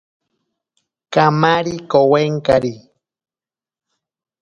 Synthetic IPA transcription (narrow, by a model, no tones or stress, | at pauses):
kamaɾikoweŋkaɾi